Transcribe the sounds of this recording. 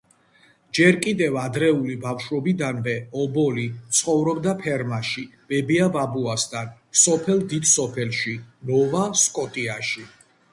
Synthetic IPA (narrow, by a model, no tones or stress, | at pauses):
d͡ʒɛɾkʼid̪ɛvad̪ɾɛulibafʃɾɔbid̪anvɛɔbɔlit̪sʰχɔvɾɔbd̪apʰɛɾmaʃib̥ɛbiavabuasd̪an | sɔpʰɛlˠd̪id̪sɔpʰɛlʃinɔvaskʼɔt̪ʼiaʃi